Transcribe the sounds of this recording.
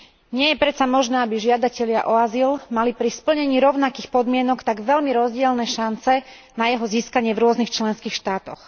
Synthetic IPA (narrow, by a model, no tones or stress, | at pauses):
ɲɪɛjɛpɾɛt̪t͡samɔʒnɛːabiʒɪad̪acɛʎɪaʔɔazilmalipɾispl̩ɲɛɲiːɾɔʊnakiːxpɔd̪mɪɛnɔkt̪aɡʋɛlmiɾɔzɟɪɛlnɛːʃant͡sɛ | najɛɦɔziːskaɲɪɛvɾʊɔznixt͡ʃlɛnskiːxʃt̪aːt̪ɔx